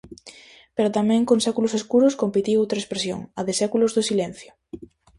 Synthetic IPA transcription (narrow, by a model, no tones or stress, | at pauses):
peɾʊt̪amɛ̃ŋkoŋsɛkulʊseskuɾʊskompit̪iowt̪ɾaespɾesjo̰ŋɐðɪsɛkulʊzðosilen̟θjʊ